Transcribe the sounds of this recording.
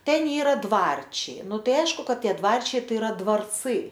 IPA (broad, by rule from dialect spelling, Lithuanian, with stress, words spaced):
ˈtʲɛn ˈiːrɐ ˈdʋɐrʲt͡ʃʲɛɪ ˈnʊ ˈtɐɪ ˈɐɪʃkʊ ˈkɐt ˈtʲiɛ ˈdʋɐrʲt͡ʃʲɛɪ ˈtɐɪ ɪˈrɐ dʋɐrˈt͡sɨ